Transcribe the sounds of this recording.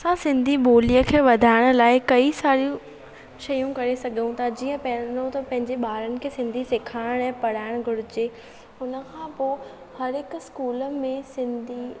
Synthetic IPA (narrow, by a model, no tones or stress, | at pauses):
ɐsãsɪ̃nd̪ʱiɓoːlijəkʰeːʋɐd̪ʱaːɪɽ̃ʊ̆laːɪkɐisaːɾijũ | ʃɐjũkɐɾesɐɡʱjũt̪ʰad͡ʑiːə̃pɐ̃ɦɪ̃ɲot̪ɐpɐ̃ɦɪ̃ɲd͡ʑeɓaːɾənɪ̆kʰeːsɪ̃nd̪ʱisekʰaːɪɽ̃ɛ̃ːpɐɽ̤aːɪɽ̃ɡʱʊɽɪd͡ʑeː | ʊnə̆kʰãpoː | hɐɾɪkʊskuːləmẽsɪ̃nd̪ʱi